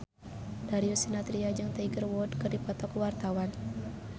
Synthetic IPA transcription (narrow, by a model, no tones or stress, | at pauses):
d̥aɾiusinat̪ɾiad͡ʒɨŋt̪aiɡərwɔdkɨrdipɔt̪ɔkwart̪awan